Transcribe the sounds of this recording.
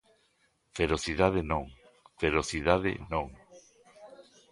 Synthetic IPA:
feɾoθiðaðenõŋ | feɾoθið̞aðɪ̰nõŋ

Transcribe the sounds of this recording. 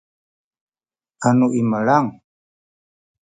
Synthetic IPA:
anuʔiməlaŋ

